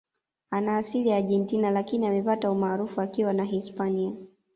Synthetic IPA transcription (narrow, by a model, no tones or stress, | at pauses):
anaːsiliaʄɛntinalakiniamɛpataumaːɾufuakiwanaɦispania